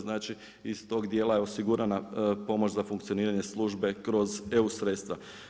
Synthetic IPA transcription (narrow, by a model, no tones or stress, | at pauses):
znaːt͡ʃiː | st̪o̞ːɡd̪jeːlajeosiɡuɾanapo̞mot͡ʃzafuŋkt̪sio̞niːɾaɲe̞slˠuːʒbe̞kɾo̞ze̞usɾeːt̪st̪ʋa